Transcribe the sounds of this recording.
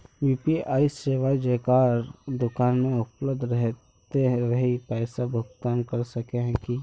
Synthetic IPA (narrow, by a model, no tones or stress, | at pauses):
jiːpiaːiseːʋaːid͡ʒekaɾd̪ʊkaːnmẽʊpləb̚d̪ʱɾɛɦ | t̪eɾɐɦipɛːsabʱʊkt̪aːnkəɾsəkeɦɛ̃ki